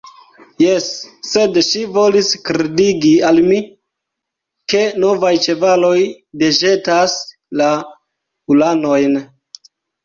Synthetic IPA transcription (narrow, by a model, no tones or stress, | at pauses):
jesːe̞dʃivo̞liskɾediɡialmi | ke̞no̞vajt͡ʃe̞valo̞j | deʒe̞tas | la | ulano̞jn